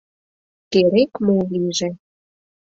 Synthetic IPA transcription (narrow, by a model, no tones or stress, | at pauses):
k̪eɾekmoliʒĕ